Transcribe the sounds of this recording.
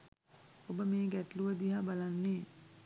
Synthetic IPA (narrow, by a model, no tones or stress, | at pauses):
obəmeːɡæʈluʋəd̪iɦabalanːeː